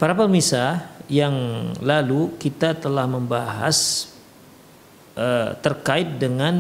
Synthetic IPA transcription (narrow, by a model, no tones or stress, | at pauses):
paɾapərmisajaŋlalukit̪at̪əlahməmbaɦa̰s | ʔət̪ərkaɪt̪̚dəŋan